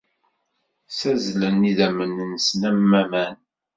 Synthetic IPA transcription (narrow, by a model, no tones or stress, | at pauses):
sæzlənːiðæmənənsnæmːæmæn